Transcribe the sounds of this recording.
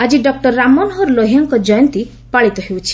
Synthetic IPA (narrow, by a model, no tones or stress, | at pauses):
ad͡ʒiɖɔk̚ʈɔɾːamːɔnɦɔɾlɔɦiaŋkɔd͡ʒɔjɔnt̪i | paɭit̪ɔɦewt͡ʃʰi̥